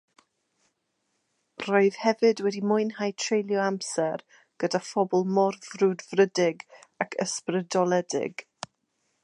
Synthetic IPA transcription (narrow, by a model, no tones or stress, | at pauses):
rɔɨð̥hɛvɨdwɛdimʊjnhajtʰrejlˠjɔamsɛr | ɡ̥ədafɔbɔlˠmɔrvrudvrədɪɡakʰə̰sprədɔlˠɛdɪ̰ɡ